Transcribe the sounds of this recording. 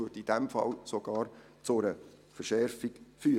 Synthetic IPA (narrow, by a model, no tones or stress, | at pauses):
uətid̥ɛmfɑ̰lsoɡ̥ɑːɾ | t͡sʊɾə | fəʃɛɾfiɡfyː